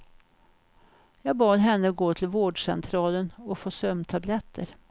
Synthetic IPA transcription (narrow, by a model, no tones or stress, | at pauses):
jɑːɡbɑːd̪ɦɛnːəɡoːt̪ʰɪlvoːɖʂɛ̰nt̪ʰɾɑːlənɔfoːsœmːt̪ʰablɛt̪ʰːə̰ɾ